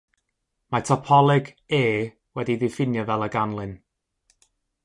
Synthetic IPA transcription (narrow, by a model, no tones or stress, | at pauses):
matʰɔpʰɔlˠɪɡ | eː | wɛdiðɪfɪnjɔvɛlˠəɡanlˠɨn